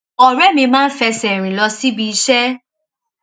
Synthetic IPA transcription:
ɔ˨ɾɛ˦mĩ˧mãː˦n̩˦fɛ˧sɛ˨ɾ̃ĩ˨lɔ˧si˦bi˧i˧ʃɛ˦

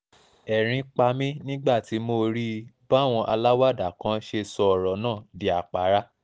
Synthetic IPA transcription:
ɛ˨ɾ̃ĩ˧k͡pa˧mĩ˦nĩ˦ɡ͡ba˦˨ti˨˦mo˧ɾi˦ba˦˨w̃ɔ̃˧ʔa̰˧la˦wa˦˨da˨kã˨˦ʃe˧sɔ˧˨ɾɔ˨˦nãː˦˨di˨a˨k͡pa˨˦ɾa˦

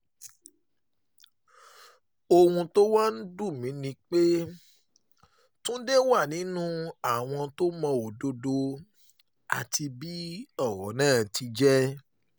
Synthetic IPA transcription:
o˧hũ˧to˦wa˦n̩˦du˦˨mĩ˨˦nĩ˧˦k͡pe˦ | tũ˦de˦wa˦˨nĩ˨˦nũ˦a˦˨w̃ɔ̃˧to˦mɔ̃˧o˨do˧do˧ | a̰˨ti˧bi˦ɔ˦˨ɾɔ˨˦nãː˦˨ti˧d͡ʒɛ˦

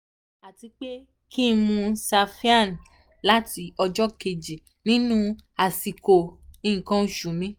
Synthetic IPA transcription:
a˨ti˧k͡pe˦ | ki˦˧mũ˧sa˧fi˦a˦˨n˨ | la˦ti˧ɔ˧d͡ʒɔ˦ke˨d͡ʒi˨ | nĩ˦nũ˦a˨si˨ko˨ĩ˦˨ĩ˨kã˨˦˨ʃu˨mĩ˨˦

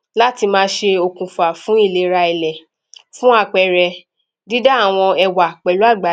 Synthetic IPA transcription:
la˦ti˧mãː˦˧˦ʃe˧o˧kũ˧fu˨a˨fũ˨˦i˦˨le˧ɾa˧i˧˨lɛ˨ | fũ˦a˧˨k͡pɛ˧ɾɛ˧ | di˦da˦a˦˨w̃ɔ̃˧ɛ˧wa˨k͡pɛ˨lu˨˦a˦˨ɡ͡ba˨˦

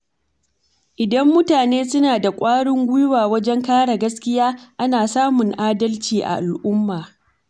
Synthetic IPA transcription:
ʔɪ˨dɐ˦mːʊ˦taː˨neː˦sʊ˦naː˨da˨kʷʼaː˦ɽɪ˦ŋɡʷʊ˦jʊ˦waː˨wɐ˦d͡ʒɛ˦ŋkaː˦ɽa˨ɡɐ˦skʲɪ˦jaː˦ʔa˦naː˨saː˦mʊ˨ŋʔaː˦dɐ˦lt͡ʃiː˨ʔa̰˨ʔa˨lʔʊ˦mːaː˨

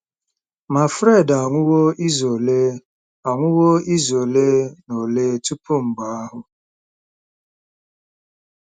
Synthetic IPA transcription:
ma˨fɾe˦˨da˨ŋʷʊ˦wo˦i˦zo˨le˦ | a˨ŋʷʊ˦wo˦i˦zo˨le˦no˨leː˦tu˦pu˦m̩˨ɡ͡ba˨˦a˦ɦʊ˨

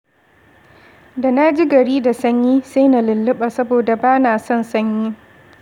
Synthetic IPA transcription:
da˨na˦d͡ʒi˦ɡɐ˨ɽiː˦da˨sɐ˦ɲjiː˦sa˦jna˨lɪ˨lːɪ˦ɓa˨sɐ˦boː˨da˨baː˦naː˨sɔ˦nsɐ˦ɲjiː˦

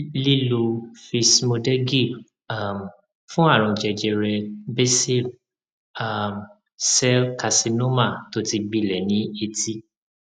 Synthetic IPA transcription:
li˦lo˧fi˧smo˧dɛ˦ɡi˦˨ | a˨m˨ | fũ˦a˦˨ɾ̃ɔ̃˧˨d͡ʒɛ˧d͡ʒɛ˧ɾɛ˧be˦si˦˨l | a˨m | sɛ˦ka˧si˧no˦ma˦˨to˨˦ti˧ɡ͡bi˦˨lɛ˨nĩ˨˦e˧ti˦

